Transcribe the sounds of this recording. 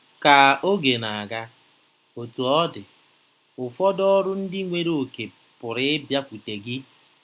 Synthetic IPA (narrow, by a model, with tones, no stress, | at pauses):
ka˨o˦ɡe˨na˨a˨ɡa˦ | o˨tu˨ɔ˦dɪ˨ | ʊ˨fɔ˦dɔ˦ɾʊ˦n̩˦dɪ˦ŋʷe˦ɾo˨ke˨ | pʊ˨ɾɪ˦ɪ˦bja˦kʷi˨te˨ɡɪ˦